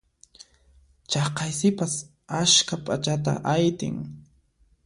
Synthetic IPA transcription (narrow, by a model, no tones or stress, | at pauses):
t͡ʃɑqɑjsɪpas | aʃkapʼat͡ʃat̪a̰ʔajt̪ɪ̰ŋ